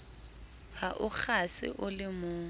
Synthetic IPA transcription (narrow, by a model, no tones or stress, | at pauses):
haʔʊk͡xʰasɪ̰ʔʊlɪmʊː